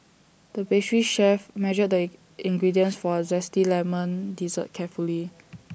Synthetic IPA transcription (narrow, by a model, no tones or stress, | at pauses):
d̥əbesɹiʃɛfmɛʒəd̚də | ĩŋɡɹidiə̃nsfɔzɛstilɛmə̃ndizə̰t̚kʰɛfuli